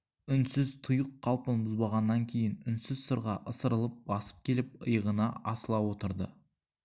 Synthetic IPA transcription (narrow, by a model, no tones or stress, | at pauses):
ʏnsɪzt̪ʰʊjəqʰːɑlˠpənbʊzbɑʁɑnːɑŋkʲʰe̞jɪnʏnsɪzsʊɾʁɑʔəsəɾəlˠəp̚bɑsə̥p̚kʲʰe̞lɪp̚əjəʁənɑɑsəlˠɑwo̞t̪əɾd̪ə̰